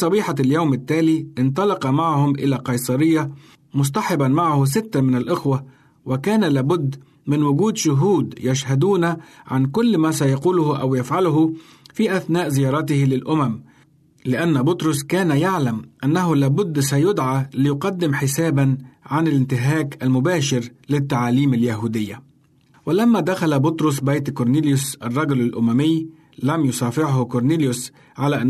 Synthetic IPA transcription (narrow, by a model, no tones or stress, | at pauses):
sˤɑbiːħaljawmɪt̪ːaːliʔɪnt̪̬ˤɑlɑqɑmaʕahʊmʔɪ̰laqɑjsˤɑɾɪjːa | mʊs̬t̪ɑħɪbanmaʕhʊs̬ɪt̪ːamɪnalʔɪxwa | wɪkaːnalaːbʊd̪ː | mɪnwʊɡuːd̪ʃʊɦuːd̪jaʃhad̪uːnaʕankʊlːmaːsajɑquːlʊhʔa̰wjafʕalʊhʊ | fiːʔaθnaːʔzɪjɑːɾˤɑt̪ɪhlɪlʔʊmam | lɪʔanːbʊt̪ɾʊskaːnajaʕlamʔanːaɦʊlaːbʊd̪ːsajʊd̪ʕalɪjʊqɑd̪ːɪmħɪsaːbanʕanɪlɪnt̪ɪɦaːkʔalmʊbaːʃɪɾlɪt̪ːaʕaːliːmaljaɦuːd̪ɪjːa | wɪlamːad̪axalabʊt̪ɾʊs̬bajt̪kʊɾˤniːljʊsʔɑrˤːɑɡʊlalʔʊmamɪjː | lamjʊsˤɑːfɪʕhʊkʊɾˤniːljʊs | ʕalaːʔ